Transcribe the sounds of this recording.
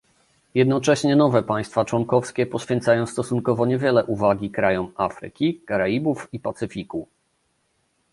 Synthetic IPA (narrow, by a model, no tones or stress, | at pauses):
jɛd̪nɔt͡ʂɛɕɲɛnɔvɛpaj̃st̪fat͡ʂwɔŋkɔfskʲɛpɔɕfʲjɛnt̪sajɔ̃w̃st̪ɔsuŋkɔvɔɲɛvʲjɛlɛʔuvaɡʲikɾajɔmafɾɘ̰kʲikaɾaibufipat̪sɘfʲiku